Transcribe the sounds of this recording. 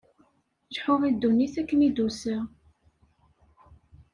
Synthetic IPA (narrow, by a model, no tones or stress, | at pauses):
ʒħʊvid̪ːunːiθækːənid̪usəʁ